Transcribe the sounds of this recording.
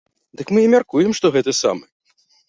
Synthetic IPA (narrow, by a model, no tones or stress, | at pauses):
d̪ɨkmɨimʲarkujɛmʂt̪ɔɣɛt̪ɐsa̰mɨ